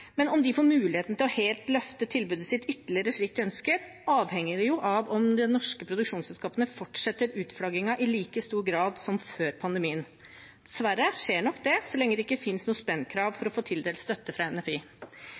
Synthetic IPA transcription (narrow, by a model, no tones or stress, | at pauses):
mɛnɔmd̪ɪfoːɾmʉːlɪheːt̪n̩t̪ɪlɔheːlt̪lœft̪ət̪ʰɪlbʉːd̪əsɪt̪ʏt̪ːəɭɪəɾəʂɭiːk̚d̪ɪœnskəɾ | ʔɑːʋhɛŋːəɖɛjʊʔɑʋɔmd̪ɛnːɔʂkəpʰɾʊd̪ʉkʂuːnsɛlskɑːpənəfɔʈʂɛt̪ːəɾʉːt̪flɑɡɪŋɑʔɪliːkəst̪uːɾɡɾɑːd̪sɔmføːɾpʰɑnd̪əmiːən | d̪̥ɛsʋæɾəʂeːɳɔkd̪ɛsɔlɛŋːəd̪ɛɪkːəfɪnsnuːəspɛnːkʰɾɑːʋfɔɾɔfoːt̪ʰɪld̪eːlst̪œt̪ːəfɾɑɛnɛfiː